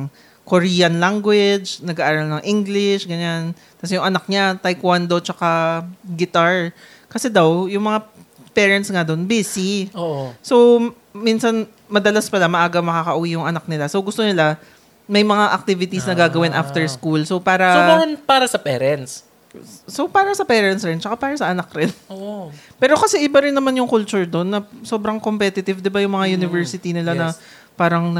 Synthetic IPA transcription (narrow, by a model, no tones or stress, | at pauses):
ŋ | koɹijɐnlaŋɡwɪd͡ʒnɐɡaːʔaːɾɐlnɐŋʔiŋɡlɪʃɡɐɲan | t̪ɐsjʊŋʔɐnak̚ɲat̪ɐjkwand̪ɐwt͡ʃɐkaɡɪt̪aɹ | kɐsɛd̪ɐwjʊŋmɐŋapɛːɹɛnt̪sŋad̪onbisioʔso̞ | minsɐn | mɐd̪ɐlaspɐlamɐʔaːɡɐmɐkakɐʔʊwijʊŋʔɐnak̚nɪlasowɡʊst̪onɪla | mɐjmɐŋaʔɐk̚t̪ɪvɪt̪isnɐɡaːɡɐwɪnʔaft̪ɛɹskulso̞paːɾɐsɐanpaːɾɐsɐpɛːɾɛnt̪s | sopaːɾɐsɐpɛːɾɛnt̪sɾɛnt͡ʃɐkapaːɾɐsɐʔɐnakɾɪnoʔ | pɛːɾo̞kɐsɛʔɪbaɾɪnːɐmanjʊŋkʊlt͡ʃʊɹd̪o̞nːɐso̞bɾɐŋkompɛt̪ɪt̪ɪvd̪ɪbajʊŋmɐŋajunɪvɛɹsɪt̪inɪlanɐ | paːɾɐŋnɐ